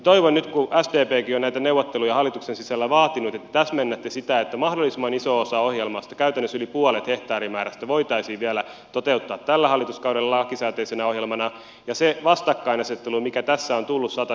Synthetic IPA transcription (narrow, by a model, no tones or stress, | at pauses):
t̪oiʋonnyt̪kuʔæsd̪eːpeːkionæit̪æneuwʋot̪ːelujɑhɑlːˑit̪uksensisælːæʋɑːt̪inut̪et̪ːæ̥t̪æsmenːæt̪ːesit̪æet̪ːæmɑhdolːˑisimːɑnisoosɑohjelmɑst̪ɑ̥kæyt̪ænːøsylipuolet̪heht̪ɑːrimæːɾæst̪æʋoit̪ɑisiːʋʋiælæ | t̪ot̪eut̪ːɑːt̪t̪ælːæhɑlːˑit̪uskɑuɾelːɑlɑɑkːisæːt̪eisenæohjelmɑnɑ | jɑseʋɑst̪ɑkːɑinɑset̪ːelumikæt̪æsːæont̪ulːussɑt̪ɑ